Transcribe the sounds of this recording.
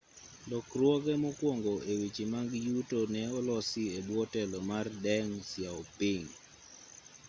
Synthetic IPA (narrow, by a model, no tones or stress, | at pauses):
dɔkrwɔɡɛmɔkwɔŋɡɔewit͡ʃimaŋɡjutonɛɔlɔsɪebwɔtɛlɔmardɛŋsjaɔpiŋ